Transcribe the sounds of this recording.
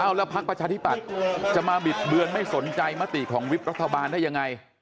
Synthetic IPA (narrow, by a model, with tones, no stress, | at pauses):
ʔa˥˩wlɛː˦˥wpʰa˦˥k̚pɾa˧t͡ɕʰaː˧t̪ʰi˦˥˩pa˨˩t̪̚t͡ɕa˨˩maː˧bi˨˩t̪̚bɯ˧ənma˥˩jso˩˦nt͡ɕa˧jma˦˥t̪ḭ˨˩kʰɔː˩˦ŋwi˦˥p̚ɾa˦˥t̪ʰːa˧baː˧nda˥˩jːa˧ŋa˧j